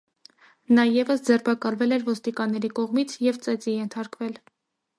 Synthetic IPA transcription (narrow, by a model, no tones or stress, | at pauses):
nɑjɛvəsd͡zɛrbɑkɑlvɛlɛɾvɔst̪ikɑnːɛɾikɔʁmit͡sʰjɛvt͡sɛt͡sijɛnt̪ʰɑɾkvɛl